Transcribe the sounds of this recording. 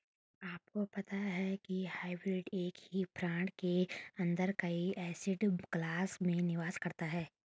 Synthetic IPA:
aːp̚kopɐt̪aɦɛkihaːɪbɾɪɖeːkɦipɾãːʈkeɐ̃nd̪əɾkɐiʔɛːsɪɖɡ̥laːsmẽnɪʋaːzkɐɾt̪aɦɛː

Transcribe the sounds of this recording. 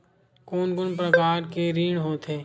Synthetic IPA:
koːnkʊnpɾəkaːɾkeɾiːɽ̃ɦoːt̪ʰeː

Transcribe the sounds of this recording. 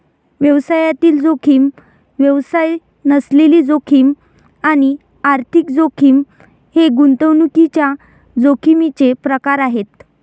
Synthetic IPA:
ʋjəʋsajat̪iːld͡zokʰiːm | ʋjəʋsaj | nəsleliːd͡zokʰiːm | añi | aɾt̪ʰikd͡zokʰiːm | heɡunt̪əwnukit͡ɕja | d͡zokʰimit͡sepɾəkaɾaɦet̪

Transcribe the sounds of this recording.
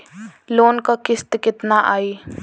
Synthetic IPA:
loːnkakɪst̪kɪt̪naʔaːiː

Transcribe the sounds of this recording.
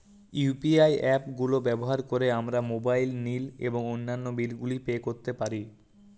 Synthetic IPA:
upiajɛpɡulobɛboɦaɾkoɾeamɾamobajlnilḛboŋonːanːobilɡulipeːkoɾt̪epaɾi

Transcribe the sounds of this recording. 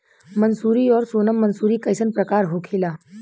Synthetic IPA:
mənsuːɾiɔːɾsoːnəmːənsuːɾiːkəjsənpɾɐkaːɾɦokʰeːlaː

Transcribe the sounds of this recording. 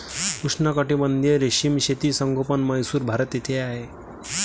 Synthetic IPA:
kuʂnəkəʈibənd̪ʱjeɾeɕimɕet̪iːsəŋɡʱopənməjsuːɾbʱaɾət̪et̪ʰeaɦe

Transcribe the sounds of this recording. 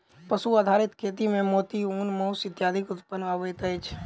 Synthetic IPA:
pəsuaːd̪ʱaːɾɪt̪kʰeːt̪imẽmoːt̪iuːnmoːsɪt̪jaːd̪ʱɪkʊt̪pənʋaːʋəjt̪əet͡ʃʰ

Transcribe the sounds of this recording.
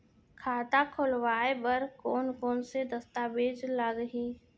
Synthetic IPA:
kʰaːt̪akʰʊlwaːebəɾkoːnkoːnsed̪əst̪aːbeːd͡ʒlaɡɦiː

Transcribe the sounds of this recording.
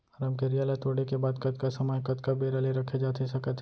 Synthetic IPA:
ɾəmkeɾijaːləjt̪oːɽekebaːd̪kɐt̪̚kasɐmajkɐt̪kabeːɾaleɾɐkʰed͡ʒaːt̪ʰesɐkət̪ʰ

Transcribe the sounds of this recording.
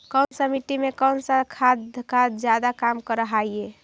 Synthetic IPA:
kənsəmiʈimekənsəkʰad̪kʰad̪d͡ʒjad̪akamkəɾəɦaie

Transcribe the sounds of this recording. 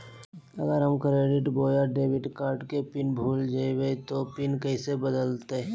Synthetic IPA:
ɐɡəɾɦəmkɾeːɖɪʈboːjəɾɖeːwɪɖkaːɾʈkepɪnbʱuːld͡ʒaiwet̪opɪnkɐisebəd̪əlt̪e

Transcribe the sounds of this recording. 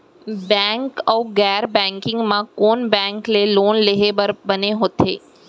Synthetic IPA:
bɛ̃ŋkəwɡɛɾbɛ̃ŋkɪ̃ŋɡmãkoːnbɛ̃ŋkleloːnleɦebəɾbəneɦot̪ʰeː

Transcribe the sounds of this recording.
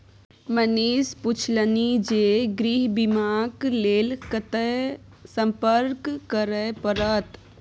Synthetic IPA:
məniːspʊt͡ʃʰlənid͡ʒeːɡɾiɦbimaːkleːlkət̪ə | sə̃mpəɾkkːəɾəpəɾət̪

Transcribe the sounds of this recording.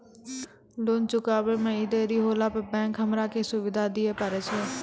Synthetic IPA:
lont͡ʃʊkaːʋeːmɛ̃ːɪd̪eːɾiːɦoːlaːpəbɛ̃ːŋkɦəmɾaːkeːsʊʋɪd̪ʱaːd̪ɪeːpəɾeːt͡ʃʰeː

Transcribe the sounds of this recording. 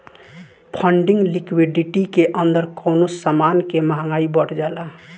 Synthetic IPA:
pʰəɳɖiŋɡlikwiɖiʈikeʔənd̪əɾkownosamankemaɦãŋɡaibəʈʰd͡ʒala

